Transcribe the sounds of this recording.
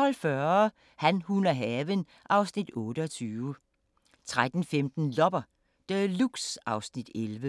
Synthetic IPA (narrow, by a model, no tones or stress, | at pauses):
ɒ̽lfɶɐ | hænhunɐɦɛːʋən | ʔɑ̈ʊsnid̥ɔ̽ːɾ̥əɒt͡sʰyːʊə | t͡sʰʁad̥n̩femd̥n̩lɒb̥ɐ | d̥əluɡ̥sɑ̈ʊsnid̥elʋə